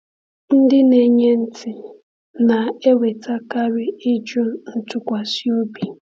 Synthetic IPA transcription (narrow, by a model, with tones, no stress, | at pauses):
n̩˦dɪ˦ne˨ɲe˦n̩˦tʰɪ˨ | na˨e˦we˨ta˦ka˦ɾɪ˦ɪ˦d͡ʒo˦˨n̩˦tʊ˦kʷa˨si˦o˦bi˨